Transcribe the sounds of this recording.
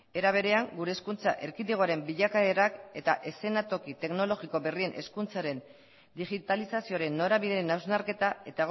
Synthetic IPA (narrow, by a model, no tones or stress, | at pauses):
e̞ɾaβ̞e̞ɾe̞aŋɡuɾe̞ːskunt͡sa̰ʔe̞ɾkit̪eɣoaɾe̞mbiʎakaeɾake̞t̪aʔe̞se̞nat̪o̞kit̪e̞kno̞lo̞ɣiko̞βe̞rie̞nʔe̞̰skunt͡saɾe̞n | d̪iɣit̪alisasio̞aɾe̞nːo̞ɾaβiðeɾenawznaɾke̞t̪ae̞t̪aɣ